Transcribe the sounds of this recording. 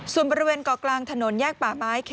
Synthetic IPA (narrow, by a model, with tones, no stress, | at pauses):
su˨˩ənbɔː˧ɾi˧weː˧nkɔː˨˩klaː˧ŋt̪ʰa˧no˩˦njɛː˥˩k̚paː˨˩maː˨˦˥jkʰ